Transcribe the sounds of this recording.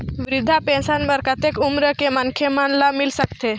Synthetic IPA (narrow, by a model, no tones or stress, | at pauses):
ʋɾɪd̪ʱːapẽnsanbəɾkət̪ekumɾəkemənkʰemaɳlamilsəkt̪e